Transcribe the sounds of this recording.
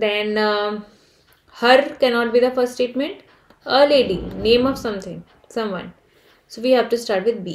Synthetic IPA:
d̪ɛ̃n | həɾkɛnɔːʈ̚biːd̪əfəɾsʈsʈeːʈmẽɳʈ | əleːɖḭnẽːmɔʋsʌ̃mt̪ʰɪ̃ŋ | sʌ̃mʋʌ̰̃n | soʋiːhæʋʈusʈaːɾʈʋɪd̪̚biː

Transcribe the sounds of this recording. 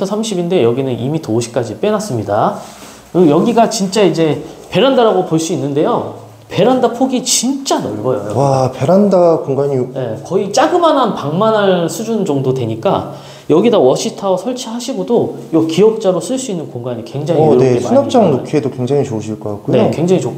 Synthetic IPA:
tʰʌsʰamɕʰibinde̞jʌɡinɯnimitouɕʰi̥k͈ad͡ʑip͈e̞nas͈ɯmɲida | kɯjʌɡiɡat͡ɕint͡ɕ͈aid͡ʑe̞pe̞ɾandaɾaɡopoɭs͈uinːɯnde̞jo | pe̞ɾandapʰoɡit͡ɕint͡ɕ͈anʌɭɡʌjo̰jʌ̰wape̞ɾandakoŋɡaɲije̞kʌit͡ɕ͈aɡɯmananpaŋmanɦaɭsʰud͡ʑund͡ʑʌŋdodwe̞ɲik͈a | jʌɡidawʌɕʰitʰasʰʌɭt͡ɕʰihaɕʰiɡodojokiʌk̚t͡ɕ͈aɾos͈ʰɯɭs͈uinːɯnkoŋɡaɲikwe̞ŋd͡ʑaŋie̞esʰunap̚t͡ɕ͈aŋnokʰiedokwe̞ŋd͡ʑaŋit͡ɕoɯɕʰiɭk͈ʌk͈ak͈uneokwe̞ŋd͡ʑaŋit͡ɕok

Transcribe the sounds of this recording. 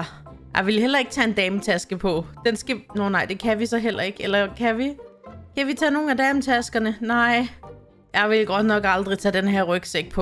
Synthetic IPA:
jɑ̈ɪʋe̝lɦel̰ɐe̝ɡ̥̚t͡sʰɛe̝nd̥ɛːmət͡sʰæsɡ̥əpʰɒ̽d̥ensɡ̥ænɒnɑ̈ɪ̰d̥e̝kʰæʋisɒ̽ɦel̰ʔɐe̝ɡ̥elɐkʰæʋikʰæʋit͡sʰɛ̰ːno̝ːn̩æd̥ɛːmət͡sʰæsɡ̥ɐnənɑ̈ɪ̰ | jɑɪʋe̝lɡ̥ɒ̽d̥nɒ̽ɡ̥ɑ̈ld̥ʁit͡sʰɛd̥enɦeɐʁœɡ̥seɡ̥̚pʰɒ̽

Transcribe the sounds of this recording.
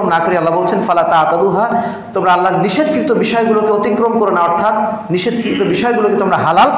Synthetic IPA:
mnakoɾealːabolt͡ɕʰenfalat̪at̪ad̪uɦa | t̪omɾaalːaɾniʃed̪̚kɾit̪obiʃɔeɡulokeot̪ikːɾomkoɾonaɔɾt̪ʰat̪ | niʃed̪kɾit̪obiʃɔeɡuloket̪omɾaɦalalk

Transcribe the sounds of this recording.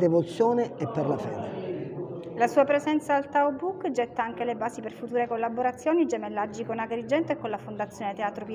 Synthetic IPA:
d̪evot̪sːjoːneɛpːerlafɛːd̪e | lasuːapɾezɛnt̪saːlt̪awbukːd͡ʒɛt̪ːaaŋkelebaːsiperfut̪uːɾekolːaboɾat̪sːjoːnid͡ʒemelːad͡ʒːikonaɡɾid͡ʒɛnt̪oekːonlafond̪at̪sːjoːnet̪eaːt̪ɾop

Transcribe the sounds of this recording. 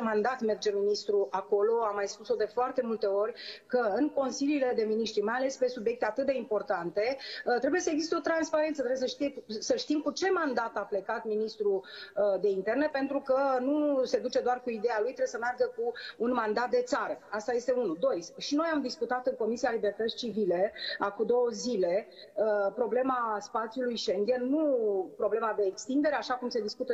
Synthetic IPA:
mand̪at̪me̞rd͡ʒe̞minist̪ɾuʔako̞lo̞amːajspuso̞d̪e̞foart̪e̞mult̪e̞o̞rʲkəɨŋko̞nsiliːle̞d̪e̞miniʃt̪ɾimajale̞spe̞subje̞k̚t̪e̞at̪ɨt̪̚d̪e̞impo̞rt̪ant̪e̞t̪ɾe̞bujesəeɡzist̪eo̞t̪ɾanspaɾe̞nt̪sət̪ɾebjesəʃt̪isəʃt̪imkut͡ʃe̞mand̪at̪aple̞kat̪minist̪ɾud̪e̞int̪e̞rne̞pe̞nt̪ɾukənuse̞d̪ut͡ʃe̞d̪oarkuid̪e̞jalujt̪ɾebjsəmearɡəkuːnmand̪at̪̚d̪e̞t̪saɾəast̪aje̞st̪e̞unud̪o̞jʃino̞jamd̪iskut̪at̪ɨŋko̞misialibe̞rt̪ət̪sʲt͡ʃivile̞akud̪o̞wəzile̞ | əpɾo̞ble̞maspat̪sjulujʃeŋɡ̪ʲennupɾo̞ble̞mad̪e̞ːkst̪ind̪e̞ɾeaʃakumse̞d̪iskut̪ə

